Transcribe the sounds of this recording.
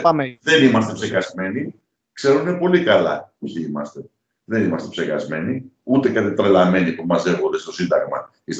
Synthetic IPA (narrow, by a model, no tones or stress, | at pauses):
ðe̞nimɐst̪epseɣɐzme̞ni | kse̞ɾunepo̞likɐlɐ̰oçiimɐst̪e̞ | ðe̞nimɐst̪epseɣɐ̰zme̞niut̪e̞kɐt̪it̪ɾelɐme̞nipumɐze̞ɣo̞nd̪e̞st̪o̞sind̪ɐɣmɐ̰ | is